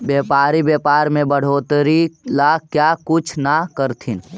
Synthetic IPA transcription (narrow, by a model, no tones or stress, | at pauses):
bjeːpaːɾibeːpaːɾmẽbəɽ̤oːt̪ɾilakjakʊt͡ʃʰnakəɾt̪ʰin